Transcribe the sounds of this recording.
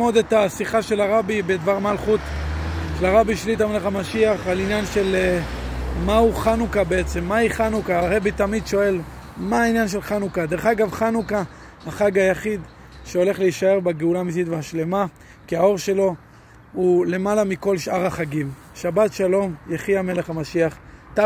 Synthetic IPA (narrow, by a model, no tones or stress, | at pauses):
mod̪et̪asiχaʃe̞laʁabibed̪vaʁmalχut̪ | ʃelaʁabiʃlit̪ameleχamaʃiaχalinjanʃe̞le | mauχanukabe̞et͡se̞mːaiχanukaːʁebit̪amid̪ʃo̞e̞lmaːinjanʃ̬e̞lχanukad̪eʁeχaɡavχanuka | haχaɡajaχid̪ | ʃeo̞leχleiʃae̞ʁbeɡeulamis̬it̪veaʃle̞ma | kiao̞ʁʃe̞lo̞ | hule̞malamiko̞lʃʔaʁaχaɡim | ʃabat̪ʃalo̞mjeχiame̞leχamaʃiaχ | t̪a